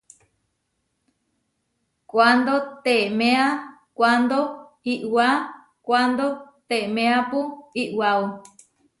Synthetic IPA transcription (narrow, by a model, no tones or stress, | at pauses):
kʷand̪ot̪emẽa | kʷand̪o | iʔwa | kʷand̪ot̪emẽapuiʔwau